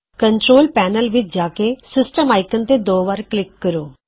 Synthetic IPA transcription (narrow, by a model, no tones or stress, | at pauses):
kəɳʈɾoːlpɛːnəlʋɪt͡ʃd͡ʒaːkeːsɪsʈəmaːɪkənt̪eːd̪oːʋaːɾklɪkːəɾoː